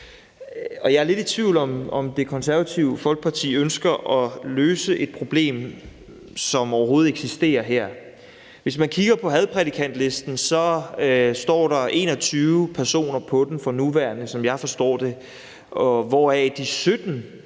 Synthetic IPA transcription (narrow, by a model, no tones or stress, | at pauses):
ɒ̽jɑ̈æɐle̝ɾit͡sʰʋiʊlɒ̽mɒmd̥e̝kʰɒ̽nsæɐʋæt͡sʰiʊəfɒ̽lɡ̥əpʰɑ̈t͡sʰḭːønsɡ̥ɐʔɒ̽løːsəʔe̝d̥̚pʰʁo̝b̥le̝̰ːm | sɒ̽mɒʊɐɦo̝ːð̞̩ˠeɡ̥sisd̥e̝̰ːɐɦeɐ̰ | ʋe̝smænkʰiɡ̥ɐpʰɒ̽ɦɛð̞ˠpʰʁɛd̥ikʰæn̰d̥le̝sd̥n̩sɒ̽ | sd̥ɒ̰ːɾɑ̈e̝ːnɒ̽t͡sʰyːʊʊpʰæɐso̝̰ːnɐpʰɒ̽d̥em̩fɒ̽nuʋæɐnəsɒ̽mjɑ̈ɪfɒ̽sd̥ɒ̰ːd̥e̝ | ɒ̽ʋɒæd̥isød̥n̩